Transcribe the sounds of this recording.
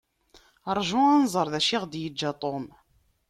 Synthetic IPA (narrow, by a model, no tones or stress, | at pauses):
əɾˤʒʊænzˤəɾˤðæʃiʁd̪jəd͡ʒːat̪ˤom